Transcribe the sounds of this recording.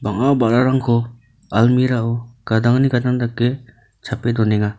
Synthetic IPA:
baŋabaʔɾaɾaŋkʰɔ | almiɾaɔɡ̥adaŋniɡadaŋdakːe | t͡ʃʰapedɔneŋa

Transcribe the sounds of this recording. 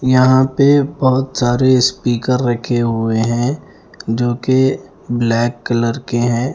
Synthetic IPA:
jɐɦãpebɔɦʊt̪saːɾespiːkəɾːɐkʰeɦʊeɦɛ̃ | d͡ʒoːke | blɛːkːələɾkeɦɛ̃ː

